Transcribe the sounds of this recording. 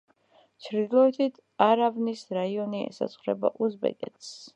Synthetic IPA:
t͡ʃʰɾd̪ilˠɔɛt̪ʰit̪ʰ | aɾavnisɾaiɔniɛ̰sa̰t̪sʰχɾɛba̰ʔuzbɛ̰kʼɛ̰t̪ʰs

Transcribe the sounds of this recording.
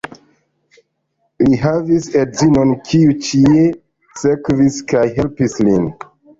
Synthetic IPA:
liɦavisedzinonkʰiut͡ʃie | sekviskajɦe̞lpislin

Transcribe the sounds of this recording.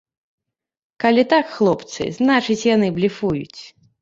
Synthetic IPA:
kalʲit̪akxlˠɔpt̪sɨ̰znat͡ʂɨt͡sʲjanɨblʲifujṵt͡sʲ

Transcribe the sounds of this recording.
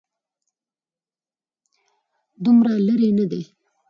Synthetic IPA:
d̪ʊmɾalaɾenad̪e

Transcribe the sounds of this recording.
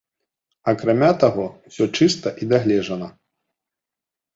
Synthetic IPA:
ɐkɾamʲat̪aɣɔwsʲɔt͡ʂɨst̪ɐʔid̪aɣlʲɛʐɐnɐ

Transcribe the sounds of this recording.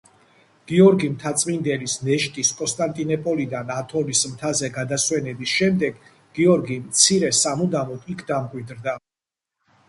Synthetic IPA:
ɡ̥iɔɾɡimt̪ʰat̪sʼmind̪ɛlisnɛʃt̪ʼiskʼɔnst̪ʼant̪ʼinɔpʼɔlid̪anat̪ʰɔnismt̪ʰazɛɡad̪aswɛnɛbisʃɛmd̪ɛɡ | ɡ̥iɔɾɡimt̪sʰiɾɛsamud̪amɔd̪ikʰd̪amkʼwid̪ɾd̪a

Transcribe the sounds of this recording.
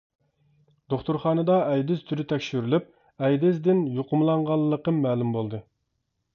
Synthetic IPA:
d̪̥oχt̪uɾχɑːnɨd̪ɑʔɛjd̪ɪz̥t̪ʰyɾyt̪ʰɛkʲʃyɾylyp̚ | ɛjd̪ɪzd̪ɪnjoqʰəmlˠɑɴʁɑlˠːəqəmːɛːlˠumbolˠd̪ɨ

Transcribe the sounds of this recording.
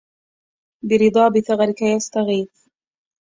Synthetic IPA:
bɪɾɨd̪ˤɑːbɪθaɣaɾɪkajast̪aɣiːf

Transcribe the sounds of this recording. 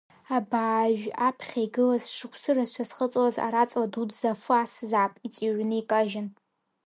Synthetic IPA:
abaːʒᶣapʰχʲaiɡɨlazʂɨkʷʰsɨrazʃʷʰasχət͡sʼwaza̰ɾat͡sʼladudzafasɨzaːpʼit͡sʼiɥnɨikʼaʒɪn

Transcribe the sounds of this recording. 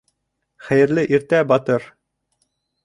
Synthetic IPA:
χæjɘ̆ɾlɘʔiɾt̪æbɑt̪ɤɾ

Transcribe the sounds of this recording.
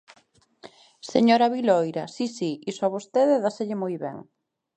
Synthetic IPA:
sḛɲoɾaβilojɾɐsisiisoaβost̪eðeðaseʎɪmojβɛ̰ŋ

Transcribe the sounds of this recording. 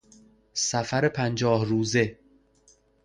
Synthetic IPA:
sæfæɾepʰænd͡ʒɒːhɾuːze̞

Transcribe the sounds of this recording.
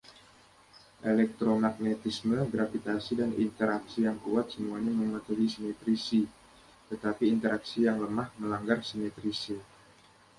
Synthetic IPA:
ʔelɛk̚t̪ɾomak̚net̪isməɡɾafit̪asidanḭnt̪əɾaksijaŋkuat̪̚səmuaɲaməmət̪uɦisimet̪ɾisi | t̪ət̪apiːnt̪əɾaksijaŋləmahməlaŋɡarsimet̪ɾisi

